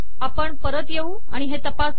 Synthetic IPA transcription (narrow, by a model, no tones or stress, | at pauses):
apəɳpəɾət̪jeuː | a̰ɽ̃iɦet̪əpas